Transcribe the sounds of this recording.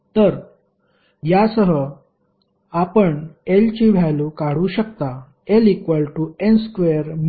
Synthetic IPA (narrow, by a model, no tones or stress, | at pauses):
t̪əɾ | jasəɦə | apəɳelt͡ɕiɽ̤ʱjalukaɽ̤uːɕəkt̪a | elikʋəlʈuenskeəɾm